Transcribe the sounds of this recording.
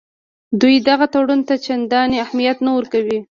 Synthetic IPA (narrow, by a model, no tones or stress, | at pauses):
d̪ujd̪aɣat̪aɽunt̪at͡ʃand̪ɑneahmijat̪nawəɾkawi